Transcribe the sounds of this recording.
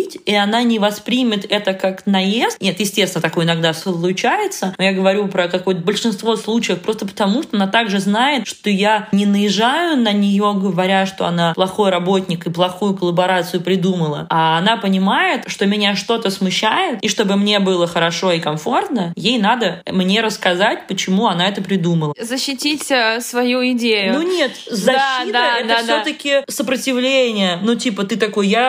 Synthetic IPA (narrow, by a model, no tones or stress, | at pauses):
itʲiɐnanʲɪvɐspɾʲimʲɪt̪ɛt̪əkaknɐjest̪ʲnʲet̪jɪsʲtʲesʲɪnət̪ɐkojɪnɐɡ̚d̪aslˠʊt͡ɕajɪt̪sənojaɡəvɐɾʲupɾəkɐko̞jət̪əbəlʲʂɨnst̪vo̞slˠut͡ɕɪjəfpɾo̞st̪əpə̥t̪ɐmuʂt̪oɐnat̪aɡʐɨznajɪt̪ʂt̪o̞janʲɪnəjɪʐajʊnənʲɪjo̞ɡəvɐɾʲaʂt̪o̞ɐnaplˠɐxo̞jɾɐbo̞tʲnʲɪkɨplˠɐxujʊkəlˠəbɐɾat̪sɨjʊpɾʲɪd̪uməlˠə̰aːnapənʲɪmajɪt̪ʂt̪o̞mʲɪnʲaʂt̪o̞t̪əsmʊɕːæjɪt̪iʂt̪o̞bɨmnʲe̞bɨlˠəxəɾɐʂo̞ɪkɐmfo̞rt̪nəjejnad̪əmnʲe̞ɾəskɐzatʲpət͡ɕɪmuɐnaɛt̪əpɾʲɪd̪uməlˠəzəɕːɪtʲitʲsvɐjuɪdʲejʊnuunʲet̪zɐɕːit̪əɛt̪əfsʲot̪əkʲɪsəpɾətʲɪvlʲenʲɪjənutʲipət̪ɨt̪ɐko̞jja